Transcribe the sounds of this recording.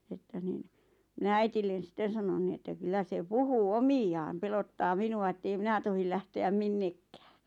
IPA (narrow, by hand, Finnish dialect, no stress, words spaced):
etːæ nin mĭnæ æitilːen̞ sĭtˑen̞ sɑnon ni etːæ kylːæ se puhuː omij̆ɑːm pelotːɑː minuɑ etːei minæ tohil læhteæm minːekːæ̥ː